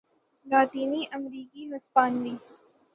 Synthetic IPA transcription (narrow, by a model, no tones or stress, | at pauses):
laːt̪iːniːʔɐmɾiːkimɐspaːnʋiː